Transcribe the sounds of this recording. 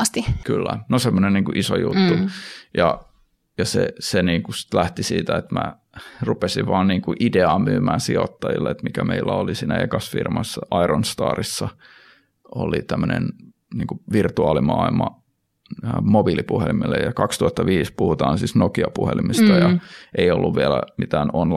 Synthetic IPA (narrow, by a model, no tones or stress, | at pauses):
ɑst̪ikylːænosemːonenniːŋkuʔisojut̪ːujɑ | jɑseseniːŋkusi̥t̪læht̪isiːt̪æet̪mæ | rupesiʋʋɑːnniːŋkuʔideɑːmyːmæːnsiot̪ːɑjḭlːeet̪mikæmeilːæolisiːnæekɑsfḭrmɑsːɑʔɑironst̪ɑ̰ːrisːɑ | ʔolit̪æmːənḛn | niːŋkuʋirt̪uɑːlimɑːilmɑ | mobilipuhelimilːejɑkɑkst̪uhɑt̪ːɑʋiːspuhut̪ɑːnsiːsnokiɑpuhelimist̪ɑjɑʔeiolːuʋʋielæmit̪æːnonl